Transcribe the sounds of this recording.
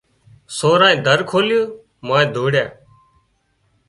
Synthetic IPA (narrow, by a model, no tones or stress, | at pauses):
soːɾãːĩːd̪ʱəɾkʰoːljoː | mãːẽːd̪ʱoːɽjã̰ː